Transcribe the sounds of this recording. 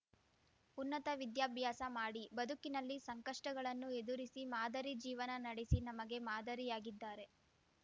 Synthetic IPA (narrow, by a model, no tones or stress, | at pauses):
unːɐt̪ɐʋid̪jaːbʱjaːsɐmaːɽibɐd̪ʱukinɐlːisɐŋkɐʂʈɐɡɐɭɐnːued̪uɾisimaːd̪ʱɐɾid͡ʒiːʋɐnɐnɐɽesinɐmɐɡe̞maːd̪ɐɾijaːɡid̪ːaːɾe̞